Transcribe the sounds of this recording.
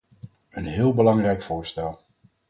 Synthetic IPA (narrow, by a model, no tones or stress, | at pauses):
ənɦɪːlˠbəlɑŋrɛjkfʊːɹstɛlˠ